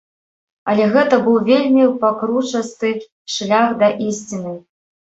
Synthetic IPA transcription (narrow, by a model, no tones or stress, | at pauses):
ɐlʲɛɣɛt̪ɐbɨwvʲelʲmʲipakɾut͡ʂɐst̪ɨ | ʂlʲaxd̪ɐʔisʲt͡sʲinɨ